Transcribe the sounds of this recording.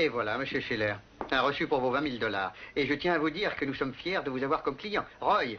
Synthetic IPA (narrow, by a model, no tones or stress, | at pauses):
evwalaməsjøʃilɛʁ | aʁəsypuʁvovɛ̃mild̪ɔlaːʁeʒət̪jɛ̃avud̪iːʁkənusɔmfjɛʁd̪əvuzavwaʁkɔmklijɑ̃ʁɔj